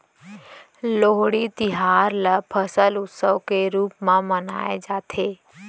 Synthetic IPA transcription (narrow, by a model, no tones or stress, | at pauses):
loːɦɽit̪ɪɦaːɾləpʰəsəlʊt̪səʋkeɾuːpmãməna̰ːḛd͡ʒaːt̪ʰeː